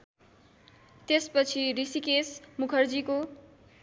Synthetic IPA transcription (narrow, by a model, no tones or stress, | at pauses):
t̪espʌt͡sʰirisikesmukʰʌrd͡ziko